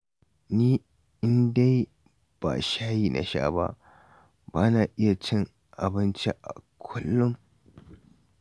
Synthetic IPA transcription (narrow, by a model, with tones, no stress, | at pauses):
niː˦ | ɪ˦nda˦j | b̥a̰ː˨ʃaː˦jiː˨nʔa̰˨ʃa̰ː˦ba̰˦ʔ | baː˦na˨ʔɪ˦ja˨t͡ʃɪ˦ŋ | ʔa˨bɪ˦nt͡ʃe˦ʔa̰˨kʷʰʊ˦lːʊ˦m